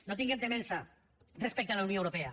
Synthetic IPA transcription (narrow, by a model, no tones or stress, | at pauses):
not̪iŋɡent̪emensa | respek̚t̪alawnjowɾopea